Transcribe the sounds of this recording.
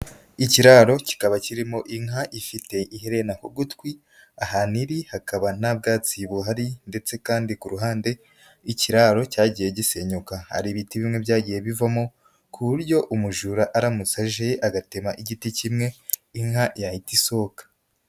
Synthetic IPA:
iciɾaɾo̞ci̥kaβaciɾimo̞ʔiŋɦaʔifite̞iɦeɾenakuɡutkwi | ahaniɾihakaβanab̚ɡaːt͡siβuɦaɾinde̞t͡se̞kaːndikuɾuɦaːnde̞ | iciɾaɾo̞caːɟije̞ɟise̞ɲukaha̰ɾiβitiβimŋe̞bɟaːɟije̞βivamo̞ | kʰuβuɾɟo̞ʔumuʒuɾaʔaɾamusaʒeʔaɡate̞maʔiɟiticimŋe̞iŋhɦajahitiso̞kḁ

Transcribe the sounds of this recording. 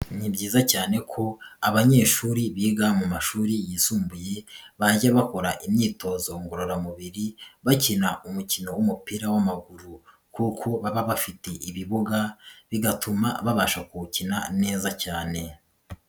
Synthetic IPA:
nibɟiːzacaːne̞kʰo̞aβaɲe̞ːʃuːɾiβiːɡamumaʃuːɾijiːsuːmbuje̞βaɟaβako̞ɾaʔimɲiːto̞zo̞ŋɡoɾoɾamuβiɾiβacinaʔumucino̞wumupiɾawamaɡuɾu | kukʰo̞βaβaβafite̞ʔiβiβuɡaβiɡatuma̰βaβaʃakucinane̞ːzacaːne̞

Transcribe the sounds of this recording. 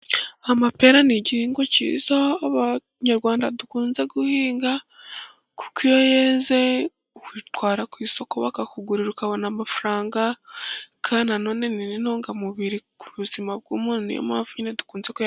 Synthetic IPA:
amape̞ɾaniɟihiːŋɡwocḭːzoaβa | ɲaɾɡwaːndadukuːnze̞ɡuhiːŋɡa | kʰu̥kijojeze | ukitwaːɾakwiːso̞koβa̰kakuɡuɾiɾukaβonamafuɾaːŋɡa | kʰaːnano̞ːne̞nininoŋɡamuβiɾikuβuzimabɡṵːmunnḭjo̰mavuinedu̥kuːnze̞kua

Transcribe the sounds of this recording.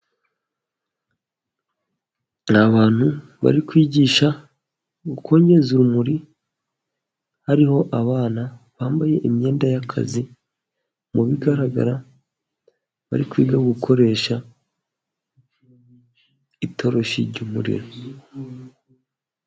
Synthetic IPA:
naβaːn̥hu | βa̰ɾikwiːɟiːʃa | ɡukʰo̞ːɲɟe̞zuɾumuɾi | haɾiho̞ʔaβaːna | βaːmbaje̞ʔimɲe̞ːndajakʰa̰zi | muβiɡaɾaɡa̰ɾa | βa̰ɾikwiːɡaɡukʰo̞ɾe̞ːʃa | itʰo̞ɾo̞ʃiɾɟumṵɾḭɾo

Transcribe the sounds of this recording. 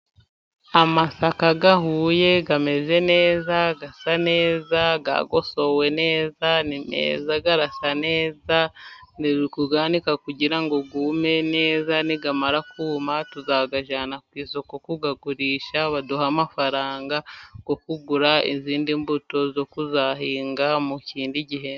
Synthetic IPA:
amasakaɡahuːje̞ɡameze̞ne̞ːzaɡasane̞ːzaɡa̰ɡo̞so̞we̞ne̞ːzanime̞̰ːzaɡaɾasane̞ːzaniɾikuɡaːnikakuɟiɾaŋɡo̞ɡume̞ne̞ːzaniɡamaɾakuːmatuzaɡaʒaːnakwiːzoko̞kuɡaɡuɾiːʃaβaduhamafaɾaːŋɡaɡ̥o̞kuɡuɾaḭziːndimbuto̞zo̞kuzaɦiːŋɡamuciːndiɟiɦe

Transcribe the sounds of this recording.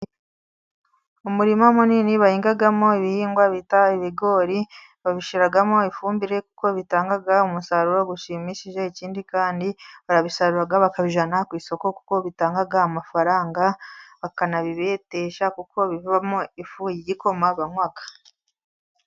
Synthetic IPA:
umuɾimamuniːniβahiːŋɡaɡamo̞iβihiːŋɡwaβitaiβiɡo̞ːɾi | βaβiʃiɾaɡamo̞ifuːmbiɾe̞kuko̞βitaːŋɡaɡaumusaɾuɾoɡuʃimiʃiʒe̞iciːndikaːndiβaɾaβisaɾuɾaɡaβakaβiʒanakwiːso̞ko̞ku̥ko̞βitaːŋɡaɡaːmafaɾaːŋɡaβakanaβiβe̞te̞ʃakuko̞βivuβamo̞ifuːjiɟiko̞maβamwakḁ

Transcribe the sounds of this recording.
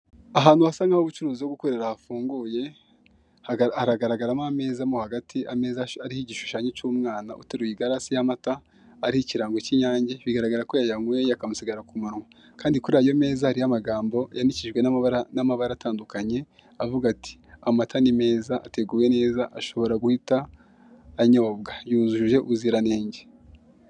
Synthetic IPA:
aɦaːnuasaŋɡahoβut͡ʃuɾuːziwoɡuko̞ɾe̞ɾahafuːŋɡuje̞ | hhaɾaɡaɾaɡaɾamame̞ːzamohaɡatʰiameːzaaɾihiɟiʃu̥ʃaɲet͡ʃuːmŋaːnaʔṵteɾujiɡaɾasijamataː | ɾihiciɾaːŋɡo̞ciɲaːɲɟeβiɡaɾaɡaɾako̞jajaŋweakamusiɡaɾakumunwa | kaːndikuɾajome̞ːzahaɾihamaɡaːmbo̞janiciʒɡwe̞namaβaɾanamaβaɾaataːndukaɲe̞ | avuɡatʰi̥amatanime̞ːzaʔa̰te̞ɡuːje̞ne̞ːzaʔaʃo̞βo̞ɾaɡuhitaː | ɲo̞ːbɡajuːnzuʒuʒe̞ʔuziɾane̞ːɲɟe

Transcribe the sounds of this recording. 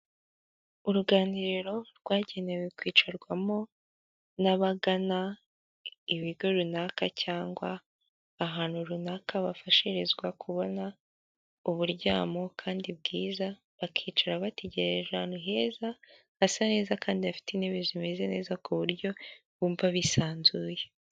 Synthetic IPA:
uɾuɡaːniɾiɾo̞ɾɡwaːɟe̞ne̞we̞kwiːt͡ʃaɾɡwamo | naβaɡana | iβiɾɡo̞ɾunakacaːŋɡwaː | ɦaːn̥huɾunaːkaβafaʃeɾezɡwakʰuβo̞na | uβuɾɟaːmokʰaːndib̚ɡiːza | βakʰiːt͡ʃaɾaβateɟeɾeʒaanuɦe̞ːza | hasane̞ːzakaːndiafi̥teniβjozime̞ze̞ne̞ːzakuβuɾɟo̞ | βuːmvaβisaːnzuːje

